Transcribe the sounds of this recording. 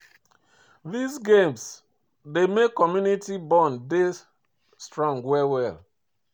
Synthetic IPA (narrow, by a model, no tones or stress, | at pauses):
ðisɡẽms | demekːɔmjunitibɔ̃nde | stɹɔ̃ŋɡwɛwɛl